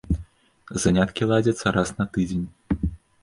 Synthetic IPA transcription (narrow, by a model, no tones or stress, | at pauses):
zanʲat̪kʲilˠad͡zʲɐt̪sːɐɾasnɐt̪ɨd͡zʲenʲ